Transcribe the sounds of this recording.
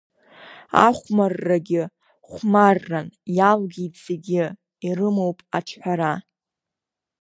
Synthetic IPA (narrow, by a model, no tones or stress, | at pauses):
a̰χʷmarːaɡʲɪ | χʷmarːanjalɡʲit͡seɡʲɪ | iɾɨmo̞wpʼaʈ͡ʂʰħʷᶣaɾa